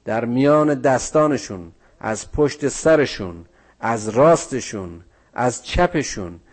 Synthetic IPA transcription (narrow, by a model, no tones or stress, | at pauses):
d̪̥æɾmijɒːne̞d̪æst̪ɒːne̞ʃun | ʔæ̰zpʰoʃt̪e̞sæɾeʃuːn | æzɾɒːst̪e̞ʃuːn | ʔæzt͡ʃʰæpe̞ʃuːn